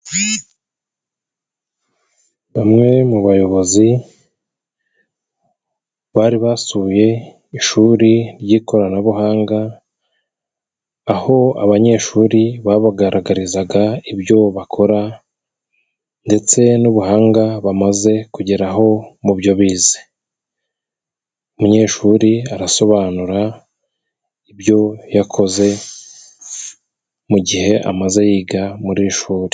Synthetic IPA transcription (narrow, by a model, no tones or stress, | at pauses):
βamŋe̞muβajo̞βo̞zi | βaːɾiβasuje̞ | iʃuɾiɾɟiːko̞ɾanaβuɦaːŋɡa | ho̞a̰βaɲe̞ːʃuːɾiβaːβaɡaɾaɡaɾizaɡaibjo̞βakʰo̞ɾa | nde̞t͡se̞nuβuhaːŋɡaβamaze̞kuɟeɾaɦo̞mubjo̞βiːze̥ | umuɲe̞ːʃuːɾiaɾaso̞βaːnuɾa | iβjo̞jakʰo̞ze̞ | muɟihe̞ʔa̰maze̞jiːɡamuɾiʃuːɾi̥